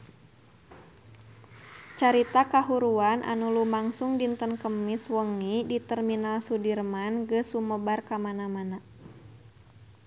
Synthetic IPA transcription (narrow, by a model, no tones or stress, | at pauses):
t͡ʃaɾit̪akaɦuɾuanʔa̰nulumaŋsuŋdint̪ənkəmiswəŋidit̪ərminalsudirmanɡəsuməbarkamanamana